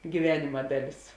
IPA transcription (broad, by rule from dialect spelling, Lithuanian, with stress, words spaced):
ɡʲiːˈʋʲæːnʲɪmɐ ˈdɑːˌlʲɪs